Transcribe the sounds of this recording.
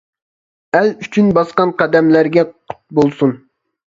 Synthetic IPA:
ælyt͡ʃʰynbɑsqɑnqɑd̪ɛmlæɾɡʲɛqʰʊ̥t̪̚bolˠsun

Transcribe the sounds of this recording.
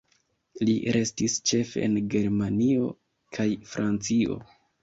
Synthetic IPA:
lḭɾe̞stist͡ʃe̞fe̞̰enɡe̞ɾmanio̞̰ | kʰajfɾʔant͡sio̞̰

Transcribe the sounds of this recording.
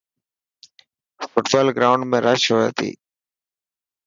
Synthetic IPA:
fʊʈbaːlɡɾaːʊɳɖmẽːɾaʃoːja̰ːt̪ʰḭː

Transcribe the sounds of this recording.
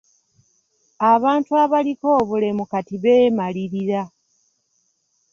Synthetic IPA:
aβaːntuaβaliko̞ːβule̞mukatiβeːmaliɾiɾa

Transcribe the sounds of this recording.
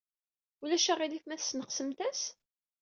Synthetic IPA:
ulæʃæʁiliθmæθsnəqsəmt̪æs

